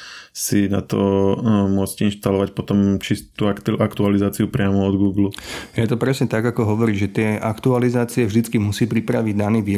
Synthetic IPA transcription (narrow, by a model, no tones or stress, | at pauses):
sina̰t̪ɔ̰mʊɔt͡scinʃt̪alɔʋacpɔt̪ɔmt͡ʃist̪uːk̪ʔakt̪ualizaːt͡siupɾɪamɔɔd̪ɡuːɡlujɛt̪ɔpɾɛsɲɛt̪aɡakɔɦɔʋɔɾiːʒɛt̪ɪɛʔakt̪ualizaːt͡siɛvʒd̪it͡skimusiːpɾipɾaʋiɟd̪aniːʋiː